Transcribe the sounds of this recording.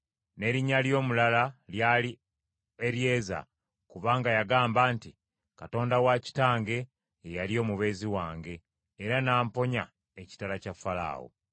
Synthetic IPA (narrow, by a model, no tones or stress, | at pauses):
ne̞ːɾiɲːaljo̞ːmulalaljaːli | eɾje̞ːza̰ | kuβaːŋɡajaɡaːmbaːnti | kato̞ːndawaci̥taːŋɡe̞ː | jaljo̞ːmuβe̞ːziwaːŋɡe̞ː | ɾanaːmpo̞ɲa | eci̥talacafala̰ːwo̰